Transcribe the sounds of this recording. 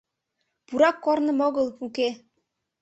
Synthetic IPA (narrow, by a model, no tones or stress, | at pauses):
puɾɑkːɔɾnɤ̆mɔɣɤ̆lˠuke